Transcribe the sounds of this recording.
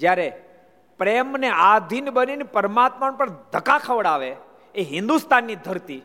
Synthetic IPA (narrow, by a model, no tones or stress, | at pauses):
d͡ʒjaɾe | pɾemnead̪ʱinbəninipəɾəmat̪məɳpəɳd̪ʱəkakʰəʋəɽaʋe | eɦɪ̃nd̪ust̪anːid̪ʱəɾt̪i